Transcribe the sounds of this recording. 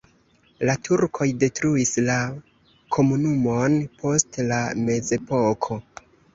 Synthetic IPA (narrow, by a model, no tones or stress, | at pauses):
latʰuɾkʰo̞jde̞tɾuisla | kʰo̞munumo̞npʰo̞stlame̞ze̞po̞kʰo̞